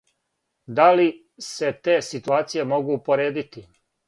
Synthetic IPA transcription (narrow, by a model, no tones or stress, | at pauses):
d̪ali | se̞t̪e̞ːsit̪uaːt̪sije̞mo̞ɡuːpo̞ɾeːd̪it̪i